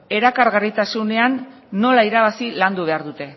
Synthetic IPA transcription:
e̞ɾakaɾɣarit̪asune̞anː | o̞laiɾaβasiland̪uβ̞e̞aɾðut̪e̞

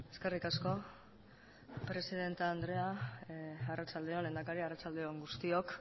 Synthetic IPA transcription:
e̞ske̞rikasko̞ | pɾe̞siðe̞nt̪aːnd̪ɾe̞a | arat͡ʃald̪e̞one̞nd̪akaɾiarat͡ʃald̪eoŋɡust̪io̞k

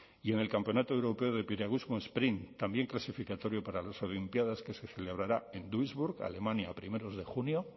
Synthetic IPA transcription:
je̞ne̞lkampeo̞nat̪oe̞wɾo̞pe̞oð̞e̞piɾaɣ̞uzmoespɾint̪ambje̞ŋklasifikat̪o̞ɾjo̞paɾaloso̞limpjaðaske̞se̞θe̞le̞β̞ɾaɾae̞nd̪uizβuɾɣa̰le̞mãnjapɾime̞ɾo̞zðe̞xunjo̞

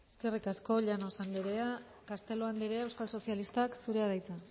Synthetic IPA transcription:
e̞ske̞rikasko̞ʎano̞sand̪iɾea | kast̪e̞lo̞and̪iɾeewskalso̞sialist̪aksuɾe̞aðajt͡sa

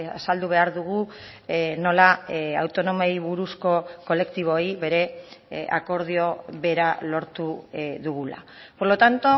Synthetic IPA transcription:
a̰sald̪uβe̞aɾðuɣu | no̞laawt̪o̞no̞mejβuɾusko̞ko̞le̞kt̪iβ̞o̞iβe̞ɾe̞a̰ko̞ɾð̞io̞βe̞ɾalo̞ɾt̪uðuɣula̰ | poɾlo̞t̪ant̪o

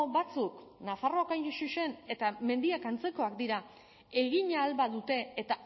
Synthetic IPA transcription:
βat͡suknafaroakajnusuʃe̞ne̞t̪ame̞nd̪iakant͡se̞ko̞akd̪iɾa | e̞ɣiɲaːlβaðut̪e̞et̪a

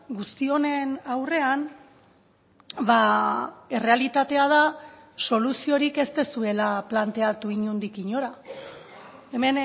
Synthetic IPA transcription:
ɡust̪io̞ne̞nawre̞an | βa | e̞re̞alit̪at̪e̞að̞aso̞lusio̞ɾike̞st̪e̞sue̞laplant̪e̞at̪uiɲund̪ikiɲo̞ɾa | e̞me̞n

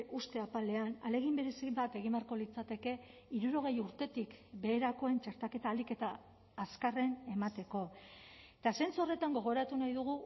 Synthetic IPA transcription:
ʔust̪e̞apale̞ana̰le̞ɣimbe̞ɾe̞sibat̪e̞ɣ̞imbeaɾko̞lit͡sat̪e̞ke̞iɾuɾo̞ɣ̞e̞juɾt̪e̞t̪ikbe̞ːɾako̞e̞nt͡ʃe̞ɾt̪ake̞t̪aːlike̞t̪aː | skare̞ne̞mat̪e̞ko̞ | et̪ase̞nt͡suore̞t̪aŋɡo̞ɣ̞o̞ɾat̪unajðuɣ̞u

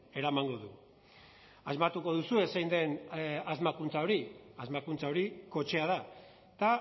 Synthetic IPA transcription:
e̞ɾamaŋɡo̞ðu | azmat̪uko̞ðusue̞sajnd̪e̞nazmakunt͡sao̞ɾiazmakunt͡sao̞ɾiko̞t͡ʃe̞að̞a | t̪a

